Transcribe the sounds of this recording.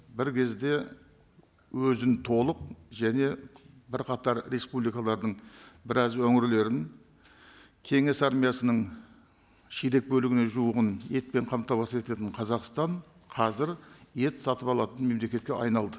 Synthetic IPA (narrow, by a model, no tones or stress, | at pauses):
bɪɾkʲʰe̞zd̪e̞ | wɵzɪnt̪ʰo̞lˠəq̚ʒæne̞bɪɾqʰɑt̪ɑɾɾe̞spublijkɑlˠɑɾd̪əɴbɪɾɑzwɵŋɪɾle̞ɾɪn | kʲʰe̞ŋe̞sɑɾmijasənəɴ | ʃijɾe̞k̚bɵlɪɡʲɪne̞ʒuwəʁəne̞t̪̚pe̞ɴqʰɑmt̪ɑwɑsəpkʰet̪e̞t̪ɪɴqʰɑzɑqst̪ɑɴ | qʰɑzɪɾe̞t̪sɑt̪əpɑlˠɑt̪ənme̞mle̞kʲe̞t̪kʲeʔɑjnɑlˠd̪ə